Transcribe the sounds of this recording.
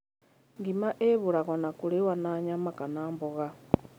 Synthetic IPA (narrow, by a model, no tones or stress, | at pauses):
ŋɡimaʔeβuɾaɣonakulewanaɲamakanaːmboɣa